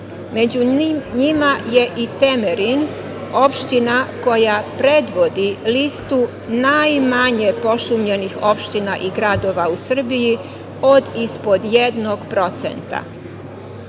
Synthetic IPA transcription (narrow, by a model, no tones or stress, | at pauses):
me̞d͡ʑuɲimaje̞ʔit̪emeɾin | o̞pʃt̪inako̞japɾe̞d̪ʋo̞d̪ilist̪u | najmaɲe̞po̞ʃumʎe̞nixo̞pʃt̪inaʔiɡɾad̪o̞ːʋausr̩biji | od̪ispo̞d̪je̞d̪noɡpɾo̞t̪sḛnt̪a̰